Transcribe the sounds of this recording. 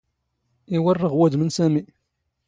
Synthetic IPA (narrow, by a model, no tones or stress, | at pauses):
iwərːəʁwæd̪mənsæmi